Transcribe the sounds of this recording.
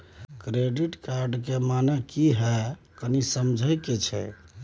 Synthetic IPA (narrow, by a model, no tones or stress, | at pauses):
kɾeɖiʈkaɾɖkemanɛkiɦɛ | kənisəmd͡ʒʱəjket͡ʃʰɛ̰